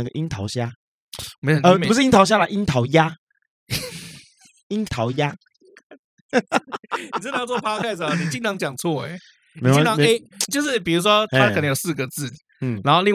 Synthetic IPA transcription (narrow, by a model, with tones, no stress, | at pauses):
ə˧ɡə̰˨ʔi˦nt̪ʰɑ˧˥ʊɕja˥ | m˧˥˨ə˧pu˧˦ʂɻ̩˥˨i˥nt̪ʰɑ˧˥ʊɕ̬ja˥lə˨ʔi˥nt̪ʰɑ˧˥ʊja˦˥ | i˦˥nt̪ʰɑ˧˥ʊja˥ | n˨t͡sə˥˧˥t͡sɔ˥˩pʰa˥kʰa˥˩ɪsɐ˨ni˨˩t͡ɕi˥˧ŋt̪ʰɑ˧˥ŋt͡ɕjɑ˨˩ŋt͡sʰwɔ˥˩ḛ˨˩ | nme˧˥˨t͡ɕĩ˥˧˦nʰɑ˦ŋ˧e˦t͡ɕjo˥˧ʊʂɻ̩˥˩pi˨˩ɻu˧˦˥ʂwɔ˦t̪ə˨˩nə˧˦jo˨˩s̩˥˩ɡə˨t͡sɹ̩˥˩ | n̩˥˩na˧˥nxo˥˧li˥˧ŋ